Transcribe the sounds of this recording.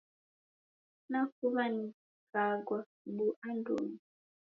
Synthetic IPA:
nakuβani | kaɡwa | ɓuʔandṵmi

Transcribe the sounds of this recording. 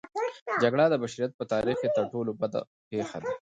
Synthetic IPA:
d͡ʒaɡɽad̪əbaʃaɾijat̪̚pət̪ɑɾixket̪əɾʈolobad̪a̰ | pexad̪a

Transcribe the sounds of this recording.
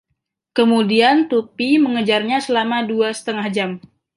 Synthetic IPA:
kəmudiant̪upiməŋəd͡ʒarɲasəlamaduasə̥t̪əŋahd͡ʒam

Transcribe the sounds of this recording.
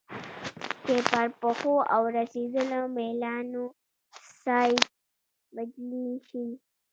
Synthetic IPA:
t͡ʃepəɾpəxoʔawɾased̪əlomelɑno | sajd̪̚ | bad͡ʒliʃi

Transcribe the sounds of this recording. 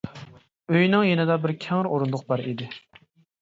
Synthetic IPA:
øjnɨŋjenɪd̪ɑbɪɾkʲʰɛŋɾoɾund̪ʊq̚bɑɾid̪ɪ

